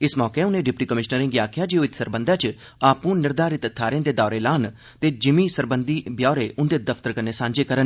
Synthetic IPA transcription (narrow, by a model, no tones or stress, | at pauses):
ɪsmɔːkeːʊnẽːɖɪpʈiːkəmɪʃnəɾɪ̃ŋɡiaːkʰjaːd͡ʒiːoːɪt̪səɾbənd̪ãːt͡ʃ | aːpũːnɪɾd̪aːɾɪt̪ət̪ʰːaːɾẽːd̪eːd̪aːɾeːlaːn | t̪eːd͡ʒɪmiːsəɾbənd̪iːbjaːɾeːʔʊnd̪eːd̪əpʰt̪əɾkəɾneːsãːɲd͡ʒeːkəɾən